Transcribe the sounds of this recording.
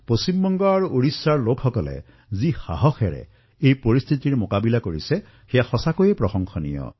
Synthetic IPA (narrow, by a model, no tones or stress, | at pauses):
posimbɔŋɡɔaɹuʔoɹisːaɹlokʰxɔkɔlḛ | zixa̰ɦɔxʰɛɹɛ̰ | ejpɔɹist̪ʰit̪iɹmokabilakoɹisɛ | xɛjaxɔsakujepɹɔxɔŋxʰɔnḭjɔ̰